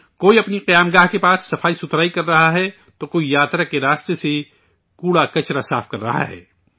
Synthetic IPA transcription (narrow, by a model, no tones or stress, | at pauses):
koːiɐpniqɐjaːmɡaːɦkepaːsːɐfaːisʊt̪ɾaːikɐɾːɐɦaɦɛ | t̪okoːijaːt̪ɾakeɾaːst̪ese | kuːɽakɐt͡ʃɾasaːfkɐɾːɐɦa̰ɦɛ̰ː